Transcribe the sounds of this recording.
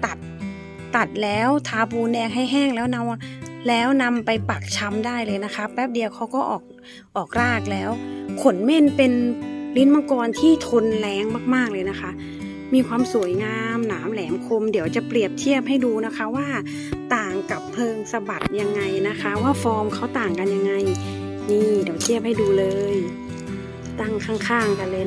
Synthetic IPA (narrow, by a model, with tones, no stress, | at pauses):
t̪a˨˩t̪̚ː | a˨˩t̪̚lɛː˦˥wt̪ʰaː˧puː˧ndɛː˧ŋɦa˥˩jɦɛː˥˩ŋlɛː˦˥wna˧wa˧lɛː˦˥wna˧mpa˧jpa˨˩k̚t͡ɕʰa˧˥mdaː˥˩jlɤː˧jna˦˥kʰa˦˥p̚bɛ˦˥p̚di˧əwkʰa˧˥wkɔː˥˩ʔɔ̰ː˨˩k̚ | ʔɔː˨˩k̚ɾaː˥˩k̚lɛː˦˥wkʰo˨˩˦nme˥˨npe˧nli˦˥nma˧˥˩kɔː˧nt̪ʰiː˥˩t̪ʰo˧nlɛː˨˦˥ŋmaː˥˩k̚maː˥˩k̚lɤː˧jna˦˥kʰa˦˥ʔ | miː˧kʰwaː˧msu˨˩˦jŋaː˧mnaː˩˦mlɛː˩˦mkʰo˧mdi˩˦əwt͡ɕa˨˩pɾi˨˩əp̚t̪ʰi˥˩əp̚ha˥˩jduː˧na˦˥kʰa˦˥waː˥˩ | t̪aː˨˩ŋka˨˩pʰːɤː˧ŋsa˧ba˨˩t̪̚ja˧ŋːa˧jna˦˥kʰa˦˥waː˥˩fɔː˧mkʰa˦˥˩wt̪aː˨˩ŋka˧nja˧ŋːa˧j | niː˧˩di˨˩˦wt̪ʰi˥˩əp̚ha˥˩jduː˧lɤː˧j | t̪a˥˩ŋkʰaː˥˩ŋkʰaː˥˩ŋka˧lɤː˧